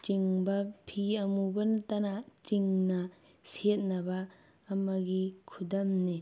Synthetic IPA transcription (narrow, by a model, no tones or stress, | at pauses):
t͡ʃiŋbɐpʰiɐmubɐntɐnat͡ʃiŋnɐ | set̚nɐbɐː | mɐɡikʰudɐmni